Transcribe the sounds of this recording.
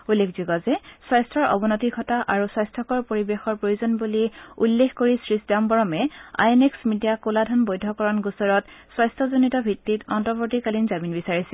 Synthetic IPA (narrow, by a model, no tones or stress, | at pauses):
ulːekʰzuɡɔzɛswajstʰɹɔɹɔ̰bɔnɔtiɡʰʱɔtaʔaɹuswajstʰɔkɔɹpoɹibexɔɹpɹojuzɔnbuliulːexʰkoɹisɹisdambɔɹɔmɛa̰jeneksmidijakoladʱɔnbojdʱɔkɔɹɔnɡusɔɹɔtswajstʰɔzonitɔbʱitːitɔntɔpotikalinzaminbisaɹisɛ